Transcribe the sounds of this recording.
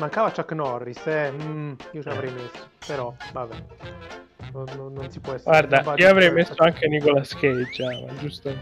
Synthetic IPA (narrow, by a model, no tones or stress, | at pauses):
maŋkavat͡ʃːakːnɔrːisɛ | iot͡ʃelavɾɛjmesːo̥peɾɔvabɛ | nonːonːonsi̥pwɔɛsɡward̪aaioavɾɛjmesːoaŋk̟enikolaskejd͡ʒaːma̰d͡ʒust̪o